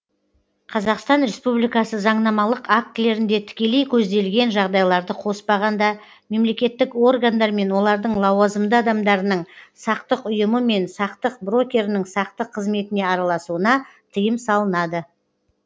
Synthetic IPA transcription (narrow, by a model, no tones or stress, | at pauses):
qʰɑzɑqst̪ɑnɾe̞spublijkɑsəzɑɴnɑmɑlˠəqak̚t̪ɪle̞ɾɪnd̪et̪ʰɪ̥kʲe̞le̞jkʲʰɵzd̪e̞lɡʲe̞nʒɑʁd̪ɑjlˠɑɾd̪əqʰo̞spɑʁɑnd̪ɑ | me̞mle̞kʲe̞t̪ːɪko̞rɡand̪ɑɾme̞nwo̞lˠɑɾd̪əɴlˠɑwɑzəmd̪əɑd̪ɑmd̪ɑɾənəɴsɑqt̪əqʊjəməme̞nsɑqt̪əq̚bro̞kʲe̞ɾnɪɴsɑqt̪əqʰːəzme̞t̪ɪne̞ɑɾɑlˠɑsuənɑ | t̪ʰəjəmsɑlˠənɑd̪ə